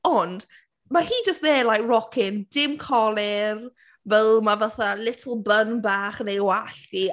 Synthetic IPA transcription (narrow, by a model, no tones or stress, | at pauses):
ɔnd | mahiːd͡ʒəstðeːlajkrɔkʰɪnd̥ɪmkʰɔlˠɪr | vɛlˠmavaθalɪtʰəl̩ˠbənbaːχnejwaɬd̥i